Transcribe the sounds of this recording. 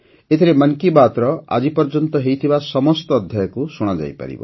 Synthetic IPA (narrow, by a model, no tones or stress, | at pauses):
et̪ʰiɾemaŋkibat̪ɾɔa̰d͡ʒipɔɾd͡ʒɔnt̪ɔɦejt̪ʰibasɔmɔst̪ɔːd̪ʱjajɔkusuɽ̃ad͡ʒa̰jpa̰ɾḭbɔ̰